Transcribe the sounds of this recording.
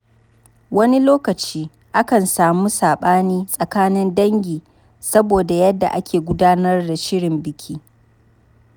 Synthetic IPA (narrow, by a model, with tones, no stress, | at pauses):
wɐ˦ni˦loː˦kɐ˨t͡ʃiː˦ | ʔa˦kɐ˨nsaː˨muː˦saː˨ɓaː˦niː˦sʼɐ˨kaː˦nɪ˦ndɐ˦ŋɡʲiː˨ | sɐ˦boː˨da˨jɐ˦dːa̰˨ʔa˦kʲeː˨ɡʷʊ˦daː˦nɐ˦rda˨ʃɪ˦ɽɪ˨mbɪ˨kʲʰiː˦